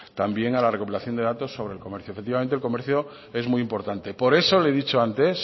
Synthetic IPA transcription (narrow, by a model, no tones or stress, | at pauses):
t̪ambje̞ŋalare̞kupilaθjo̞nd̪eat̪o̞sːo̞β̞ɾe̞lkome̞ɾθjoefet̪ːiβament̪elko̞me̞ɾθjo | e̞zmujimpo̞ɾt̪ant̪e̞po̞ɾe̞so̞leðit͡ʃoant̪e̞s